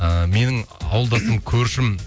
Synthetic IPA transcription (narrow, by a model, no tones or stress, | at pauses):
əme̞nɪŋɑ̰wəlˠd̪ɑsəmkʲʰɵɾʃɪm